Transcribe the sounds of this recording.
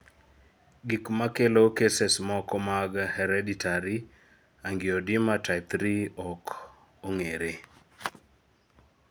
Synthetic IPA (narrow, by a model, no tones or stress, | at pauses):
ɡikmakelokesesmɔkɔmaɡhɛɾɛditʰaɾi | aŋɡɪɔdɪmatʰaɪt̪ɾiɔk | oŋeɾe